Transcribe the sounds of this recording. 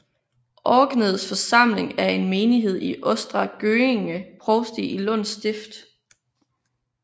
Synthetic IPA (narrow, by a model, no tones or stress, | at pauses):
ʔɒːɡ̥nəð̞̩ˠsfɒ̽sɑ̈m̰le̝ŋæɐe̝nme̝ːniɦe̝ð̞̰ˠiʔɔ̽sd̥ʁɑɡ̥øːeŋəpʰʁɒʊsd̥iilɔn̰sd̥e̝fd̥